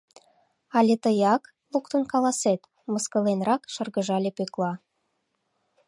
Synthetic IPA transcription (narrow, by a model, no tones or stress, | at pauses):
ɑlʲet̪əjɑk | lukt̪ənkɑlɑset̪ | məskə̆lenrɑkʃɤ̆rɣə̆ʒɑlʲepøklˠɑ